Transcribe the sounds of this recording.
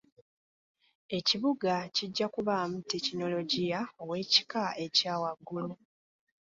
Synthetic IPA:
e̞ciβuɡaciɟːakuβaːmutecino̞lo̞ɟijaowe̞ːci̥kaʔe̞caːwaɡːulu

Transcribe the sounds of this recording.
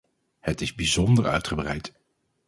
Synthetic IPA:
hətɪzbizɔndəɹœ̰ɥtχəbrɛjt

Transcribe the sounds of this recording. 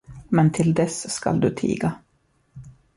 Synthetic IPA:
mɛnt̪ʰɪld̪ɛsːka̰ld̪ɵt̪ʰḭːɡa

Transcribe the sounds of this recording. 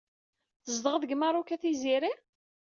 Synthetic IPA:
θəzd̪əʁəðəɡməɾˤukæθiziɾi

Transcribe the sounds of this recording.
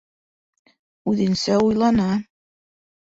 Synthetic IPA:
ʉðɘ̆nsæujlˠɑnɑ

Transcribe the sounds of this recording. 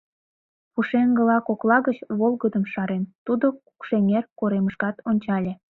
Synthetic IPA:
puʃeŋɡə̆lɑkoklɑɣət͡ɕβolɡəd̪əmʃɑɾent̪ud̪oku̥kʃeŋerkoɾeməʃkɑt̪onʲt͡ɕɑlʲe

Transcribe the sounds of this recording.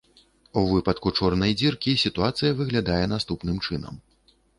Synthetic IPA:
uvɨpɐt̪kut͡ʂɔrnɐjd͡zʲirkʲisʲit̪uat̪sɨjɐvɨɣlʲad̪ajɛnast̪upnɨmt͡ʂɨnɐ̰m

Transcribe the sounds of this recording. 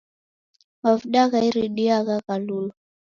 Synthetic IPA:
mavuɗaɣaiɾiɗiaɣaɣalulɔ

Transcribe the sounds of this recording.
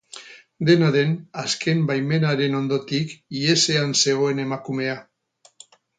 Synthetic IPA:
d̪e̞naðe̞naskʰe̞mbajme̞naɾe̞no̞nd̪o̞t̪ikie̞se̞anse̞ɣ̞o̞e̞ne̞makume̞a

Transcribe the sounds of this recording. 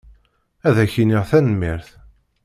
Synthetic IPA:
æðæçiniʁθænmːiɾθ

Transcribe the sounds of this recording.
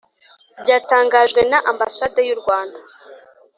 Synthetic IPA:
bɟaːtaːŋɡaʒɡwe̞naʔamba̰sadajuɾɡwaːnda

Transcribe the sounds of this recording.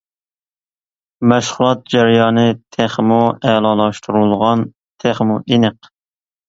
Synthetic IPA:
mæʃχʊlˠɑt̪̚d͡ʒæɾjɑːnɨt̪ʰeχmuælɑlˠɑʃt̪ʰuɾulˠʁɑn | t̪ʰeχmuʔinəq

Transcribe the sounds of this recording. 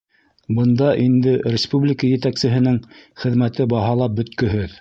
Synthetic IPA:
bɤ̆nd̪ɑʔind̪ɘrʲɪspublʲɪkəjɘ̆t̪æksɘ̆ɦɘ̆nɘŋχɘ̆ðmæt̪ɘbɑɦɑlˠɑp̚bɵ̆t̪kɵ̆ɦɵð

